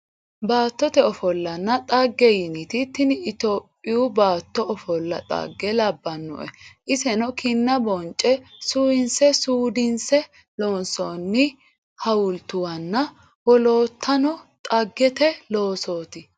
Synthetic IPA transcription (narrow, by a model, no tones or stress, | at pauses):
baːt̪ːɔt̪ɛɔfɔlːɐnːɐt̪ʼɐɡːɛjɪnɪt̪ɪt̪ːɪnɪt̪oːpʼːɪjʊbaːt̪ːɔɔfɔlːɐ̰t̪ʼɐ̰ɡːɛlɐbːɐnːɔ̰ʔɛʔɪsɛnɔkʰɪnːɐbɔnt͡ʃʼːɛsʊɪnsɛsuːd̪ɪnsɛ | loːnsɔnːɪ | hɐwʊlt̪ʊwɐnːɐ | wɔloːt̪ʰːɐnɔt̪ʼɐɡːɛt̪ɛloːsoːt̪ɪ